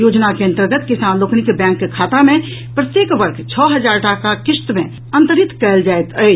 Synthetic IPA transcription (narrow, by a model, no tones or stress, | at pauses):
joːd͡ʒnakeə̃nt̪əɾɡət̪kɪsaːnloːknɪkbɛ̃ːŋkkʰaːt̪amẽ | pɾət̪jeːkbəɾkʰt͡ʃʰɔːɦəd͡ʒaːɾʈakakɪst̪mẽ | ə̃nt̪əɾit̪kɛːld͡ʒaːet̪əe